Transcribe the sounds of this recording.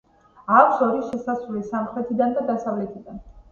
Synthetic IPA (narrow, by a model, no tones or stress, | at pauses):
akʷʰsɔɾiʃɛsasvɾulisamχɾɛt̪ʰid̪and̪ad̪asavlɛt̪ʰid̪an